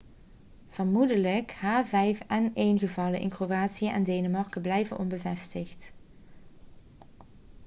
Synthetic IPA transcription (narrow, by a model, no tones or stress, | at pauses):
v̥ərmudələkhaːvɛjfɛnejnɣəvɑləʔɪ̰nkrowaːtsijəʔɛ̰ndejnəmɑɹkəblɛjvənʔɔnbəvɛstɪxt